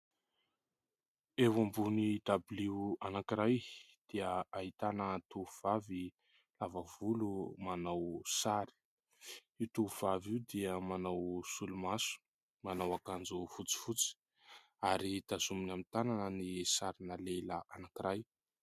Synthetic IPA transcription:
ewambunid̪abliuanakiɾaj | d̪̥iəaɦit̪anət̪uv̥avi | lavəvulumanawsaɾi̥ | it̪uv̥aviwd̪iəmanawsulumasu̥ | manawakand͡zufut͡si̥fut͡si̥ | aɾit̪azuminamit̪ananənisaɾinaleləʔanakiɾaj

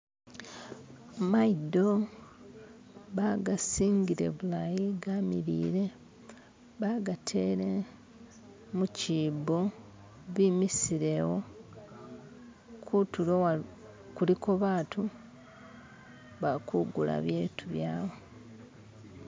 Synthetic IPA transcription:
maido̞ | βaɡasiːɲɡiɾe̞̰βulajiɡamḭɾḭːɾe̞ | βaɡatʰe̞ːɾe | muciːbo̞ | βimisiɾe̞wo | kʰutuloa | kuliko̞βaːtu | βakuɡula̰βjeːtʰuβjaːβo

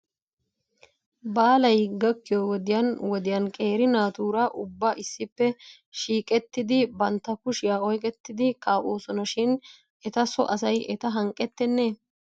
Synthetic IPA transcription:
baːlɐjɡɐkːɪjowɔd̪ɪjɐnwɔd̪ɪjɐnkʼe̞ːɾɪnaːt̪uːɾɐʔʊbːɐʔɪsːɪpːɛ | ʃiːkʼɛt̪ːɪd̪ɪbɐnt̪ːɐkʊʃɪjaːɔjkʼɛt̪ːɪd̪ɪkaːʔoːsɔnɐʃɪn | ɛt̪ɐsɔ̰ʔɐs̬ɐjʔɛt̪ɐɦɐŋkʼːɛt̪ːɛnːeː

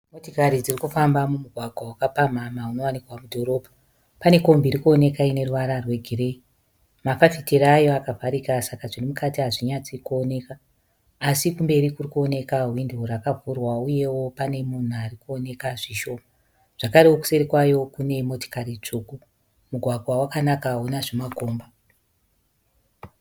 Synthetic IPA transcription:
motokaɾid͡zirikufambamumuɡʱwaɡʱwawakapam̤amauno̞wanikwamudʱo̞ɾo̞ːbʱa | pane̞ko̞mbiɾikuone̞kaine̞ruʋaɾarwe̞ɡʱire̞i | mafafiteɾaːjo̞akavʱaɾikasakaʐirimukatiɦaʐiɲat͡sikuone̞kaː | sikumbe̞ɾikurikuo̞ne̞kaɦwindourakavʱurwauje̞wo̞pane̞mun̤uarikuone̞kaʐiʃo̞ːma | ʐ̥akaɾewoku̥seɾikwajo̞kune̞mo̞to̥karit͡ʂuku | muɡʱwaɡʱwawakanakaɦonaʐemaɡʱoːmba

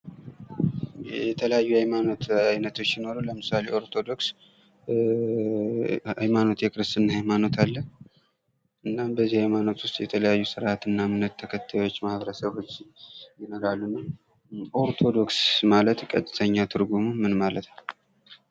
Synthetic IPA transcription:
jɛt̪ʰələjajːuhajmano̞t̪ajnət̪ʰo̞t͡ʃːjino̞ɾələmɨsale̞o̞ɾt̪ʰo̞d̪o̞ks | a̰jmano̞t̪jɛkʼɨɾɨst̪ɨnːhajmano̞t̪ʰalːə | ʔɨnːambəzːihajmano̞t̪wʊst̪ʼjɛt̪ʰələjajːusɨɾʔat̪ɨnːamɨnːət̪ʰːəkʰət̪ʰːajwot͡ʃːmahβɾəsəβot͡ʃːjɪno̞ɾalːunːəw | ʔo̞ɾt̪ʰo̞d̪o̞ksmalət̪kʼə̰t̪ʼːɨt̪ʰəɲːat̪ʰɨɾɡumumɨnmalət̪n

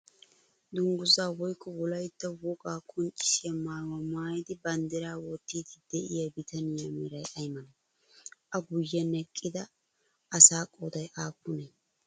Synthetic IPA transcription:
d̪ʊŋɡʊzaːwɔjkːɔwɔlɐjt̪ːɐwɔkʼaːkʼɔnt͡ʃʼːɪ̥sɪjɐmaːɾwamaːjɪd̪ɪbɐnd̪ɛɾaːwɔt̪ːiːd̪ɪd̪̥ɛʔɪjɐbɪt̪ɐnɪjɐmiɾɐjʔɐjmɐnɐ | ʔɐɡʊjːɐnɛkʼːɪd̪ɐ | ʔɐsaːkʼoːd̪ɐjʔaːpːʊnɛ

